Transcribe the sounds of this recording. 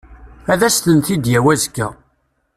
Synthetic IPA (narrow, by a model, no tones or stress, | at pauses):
æðæst̪ənθid̪jæwæzkːæ